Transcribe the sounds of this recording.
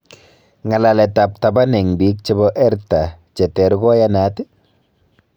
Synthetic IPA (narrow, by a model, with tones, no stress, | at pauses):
ŋa˨la˨lɛ˨ta˨p̚ta˨ba˦nɛ˨ŋbi˨˦k̚t͡ʃe˦bɔ˦ʔɛ˦ɾta˨ | t͡ʃɛ˨tɛ˨ɾɡɔ˦ja˦na˨˦tɪ˦